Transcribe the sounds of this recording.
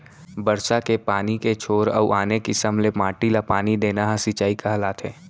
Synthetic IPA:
bɐɾsakepaːniket͡ʃʰoːɾɔ̰uʔaːnekɪsəmlemaːʈilapaːnid̪eːnaɦasɪt͡ʃaːikaɦɐlaːt̪ɦɛː

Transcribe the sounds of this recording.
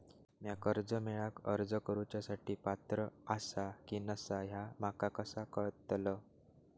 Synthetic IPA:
mjakəɾd͡zəmeɭakə̰ɾd͡zəkəɾut͡ɕjasaʈiːpat̪ɾəasakiːnəsaɦjamakakəsakəɾt̪lə

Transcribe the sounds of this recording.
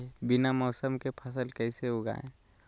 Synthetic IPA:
bɪnamɔːsəmkepʰəsəlkɛɪseɦoɡa̰ːḛ̃

